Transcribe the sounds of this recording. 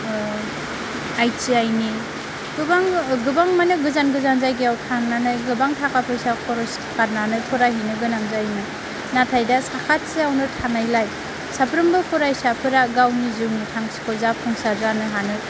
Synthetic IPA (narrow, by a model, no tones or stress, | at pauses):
ajt͡ʃiajni | ɡɯbaŋɡɯbaŋmanɯɡɯzanɡɯzanzajɡiawtʰannanajɡɯbaŋtʰakʰapʰɯjsapʰɔɾɔstʰkaɾ̚nanɯpʰɔɾaɦinɯɡɯnaŋzajnɯ | natʰajdasakʰat̚siawnɯtʰanajlaj | sapʰɾɯmbɯpʰɔɾajsapʰɯɾaɡawnizɯwnitʰaŋsi̥kʰɔzapʰɔŋsazanɯɦanɯ